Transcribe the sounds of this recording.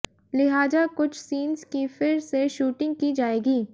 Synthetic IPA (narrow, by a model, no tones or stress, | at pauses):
lɪɦaːzakʊt͡ʃʰsiːnzkifɪɾseʃuːʈɪ̃ŋɡ̚kid͡ʒaːeːɡiː